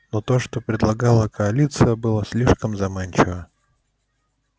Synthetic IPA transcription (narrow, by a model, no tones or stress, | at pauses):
no̞t̪o̞ʂt̪o̞pɾʲɪd̪lˠɐɡɑlˠəkəɐlʲit̪sɨɨjəbɨlˠəsʲlʲiʂkəmzɐmanʲt͡ɕɪvə